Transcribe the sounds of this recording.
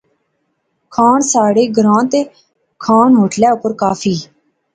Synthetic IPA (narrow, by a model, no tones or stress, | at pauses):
kʰaːɳsaːɽeːɡəɾãːt̪eː | kʰaːnɦoːʈljaːʊpəɾkaːfʰiː